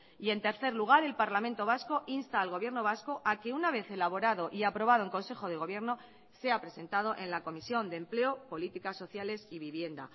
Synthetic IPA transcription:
ie̞nt̪e̞ɾθe̞ɾluɣ̞aɾe̞lpaɾlamẽ̞nt̪o̞β̞asko̞ʔinst̪aːlɣo̞β̞je̞ɾno̞β̞asko̞ʔake̞unaβe̞θe̞laβ̞o̞ɾaðo̞ʔiapɾo̞β̞aðoeŋko̞nse̞xo̞ð̞e̞ɣ̞o̞β̞je̞ɾno̞ | se̞apɾe̞se̞nt̪að̞o̞ʔe̞nlako̞misjo̞nd̪emple̞o̞po̞lit̪ikasːo̞θjale̞siβiβje̞nd̪a̰

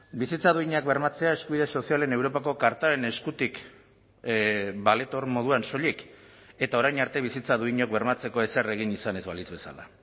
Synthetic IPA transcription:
bisit͡saðuiɲakbe̞ɾmat͡se̞aeskuβiðe̞so̞siale̞ne̞wɾo̞pako̞kaɾt̪aɾe̞ne̞skut̪ik | bale̞t̪o̞ɾmo̞ð̞uanso̞ʎike̞t̪ao̞ɾajɲaɾt̪e̞β̞isit͡saðuiɲo̞k̚be̞ɾmat͡se̞ko̞e̞sere̞ɣ̞inisane̞zβalizβe̞sa̰la̰

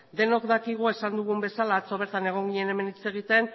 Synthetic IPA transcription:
d̪e̞no̞kd̪akiɣ̞ue̞sand̪uɣ̞umbe̞salaːt͡so̞β̞e̞ɾt̪ane̞ɣ̞o̞ŋɡiɲe̞ne̞me̞nit͡se̞ɣ̞it̪e̞n

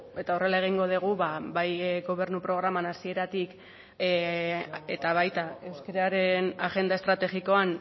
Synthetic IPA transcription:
e̞t̪ao̞re̞lae̞ɣ̞iŋɡo̞ð̞iɣ̞uβabajɡo̞β̞e̞ɾnupɾo̞ɣ̞ɾamanasie̞ɾat̪ik | e̞t̪aβajt̪ae̞wskeɾaɾe̞naʝe̞nd̪ae̞st̪ɾat̪e̞ɣiko̞an

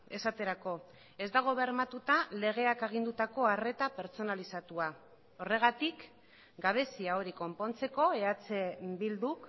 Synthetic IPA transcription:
e̞sat̪e̞ɾako̞ | e̞zd̪aɣ̞o̞βe̞ɾmat̪ut̪ale̞ɣ̞e̞akeɣ̞ind̪ut̪ako̞are̞t̪ape̞ɾt͡so̞nalisat̪ua | o̞re̞ɣ̞at̪ik | ɡaβ̞e̞siaoɾiko̞mpo̞nt͡se̞ko̞e̞at͡sebild̪uk

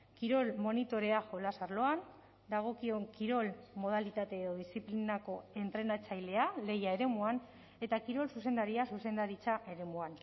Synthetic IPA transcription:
kiɾo̞lmo̞nit̪o̞ɾe̞aʝo̞lasaɾlo̞an | d̪aɣ̞o̞kioŋkiɾo̞lmo̞ð̞alit̪at̪e̞ːðo̞ðisiplinako̞e̞nt̪ɾe̞nat͡sajle̞ale̞jae̞ɾe̞muan | e̞t̪akiɾo̞lsuse̞nd̪aɾiasuse̞nd̪aɾit͡saʔe̞ɾe̞muan

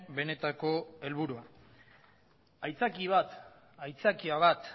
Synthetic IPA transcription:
be̞ne̞t̪ako̞e̞lβuɾua | ajt͡sakiβ̞at̪ | ajt͡sakiaβat̪

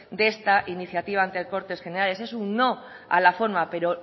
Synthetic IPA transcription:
d̪e̞st̪aʔiniθjat̪iβ̞ant̪elko̞ɾt̪e̞sχe̞ne̞ɾale̞se̞sunːo̞ | a̰lafo̞ɾmape̞ɾo̞

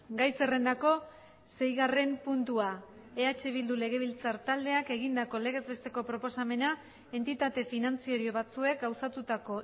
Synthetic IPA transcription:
ɡajse̞re̞nd̪ako̞ | se̞jɣare̞mpunt̪ua | eat͡ʃeβild̪ule̞ɣ̞e̞βilt͡saɾt̪ald̪e̞ake̞ɣ̞ind̪ako̞le̞ɣ̞e̞zβe̞st̪e̞ko̞pɾo̞po̞same̞na | e̞nt̪it̪at̪e̞finant͡sio̞ɾio̞β̞at͡sue̞k̚ɡawsat̪ut̪ako̞

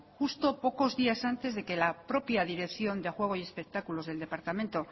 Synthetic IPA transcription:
xust̪o̞po̞ko̞zðiasant̪e̞zðe̞ke̞lapɾo̞pjaðiɾe̞kθjo̞nd̪exwe̞ɣ̞oie̞spe̞k̚t̪akulo̞zð̞e̞ld̪e̞paɾt̪ament̪o̞

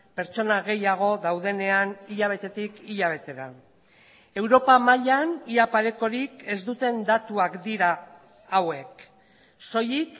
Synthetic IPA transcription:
pe̞ɾt͡ʃo̞naɣ̞e̞jaɣ̞o̞ðawðe̞ne̞aniʎaβ̞e̞t̪e̞t̪ikiʎaβ̞e̞t̪e̞ɾa | e̞wɾo̞pamaʎaniapaɾe̞ko̞ɾike̞zd̪ut̪e̞nd̪at̪uakd̪iɾaː | we̞k | so̞jik

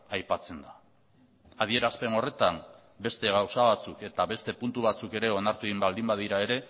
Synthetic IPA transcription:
ajpat͡se̞nd̪a | aðie̞ɾaspe̞no̞re̞t̪am | be̞st̪e̞ɣ̞awsaβat͡suke̞t̪aβe̞st̪e̞punt̪uβat͡suke̞ɾe̞o̞naɾt̪ueimbald̪imbað̞iɾae̞ɾe̞

